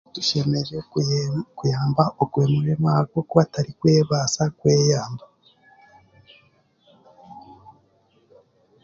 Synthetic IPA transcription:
tuʃe̞me̞ʒe̞ | kujaːmbaoɡweːmuɾemaɡokoβataɾikweβasakwejaːmba

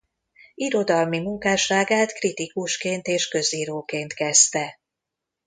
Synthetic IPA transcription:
iɾo̞d̪ɒlmimuŋkaːʃaːɡaːt̪krit̪ikuʃkeːnt̪eːʃkø̞ziːɾoːkeːnt̪kɛst̪ɛ

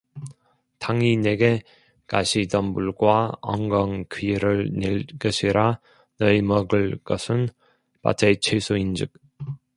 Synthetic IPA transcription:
taŋineɡe | kaɕʰidʌmbuɭɡwaʌ̰ŋɡʌŋkʰiiɾɯɭneɭkʌɕʰiɾa | nʌimʌɡɯɭk͈ʌsʰɯn | pa̰tʰet͡ɕʰesʰuind͡ʑɯk̚

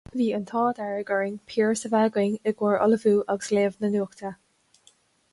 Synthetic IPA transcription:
viːənt̪ʰɑːd̪ɛɹəɡəɹɪŋpʰiːɹsəvaɡɪŋɪɡwəɹɔ̰ləvuːʔaɡəsleːvnənuːkt̪ʰə

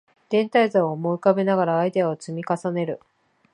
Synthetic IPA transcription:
d̪̥ẽ̞nt̪aizaoomo̞ikabenaɡaɾaːid̪e̞aot͡sɨmʲikasane̞ɾɯ̟

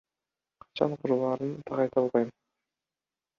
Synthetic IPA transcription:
qʰɑ̥t͡ʃɑ̰ɴqʰuɾulˠɑːɾɯnt̪ʰɑʁɑjt̪ɑlˠʁɑjm

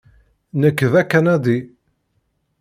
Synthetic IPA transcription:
nəkːəðækːænæd̪i

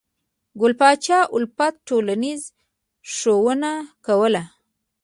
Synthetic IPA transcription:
ɡʊlpɑt͡ʃɑʔʊlpat̪̚ʈolaniz | ʂowənakawəla

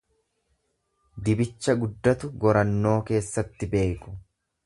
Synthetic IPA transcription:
d̪ɪbɪt͡ʃːɐɡʊd̪ːɐt̪ʊɡɔɾɐnːo̞ːke̞ːsːɐt̪ːɪbe̞ːkʊ̥

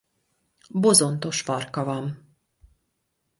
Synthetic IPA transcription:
bo̞zo̞nt̪o̞ʃpɒrkɒvɒm

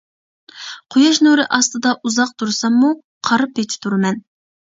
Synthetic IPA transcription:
qʰojɑʃnuɾɨʔɑst̪ɨd̪ɑʔuzɑq̚t̪ʰuɾsɑmːu | qʰɑɾɨpʰet͡ʃ̪ʰɪ̥t̪ʰuɾɨmɛn

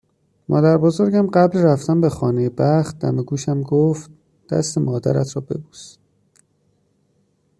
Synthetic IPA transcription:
mʔɒ̰ːd̪æɾbozoɾɟæmɢæblɾæft̪æmbe̞xɒːnejebæχt̪̚d̪æ̰me̞ɡuːʃæmɡoft̪̚ | d̪̥æ̰st̪e̞mɒːd̪æ̰ɾæt̪ʰɾɒːbe̞̰buːs

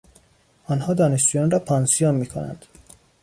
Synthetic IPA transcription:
ɒnhɒːd̪ɒːneʃd͡ʒujɒnɾɒːpʰɒːnsijonmiːkʰonæ̰nd̪̥

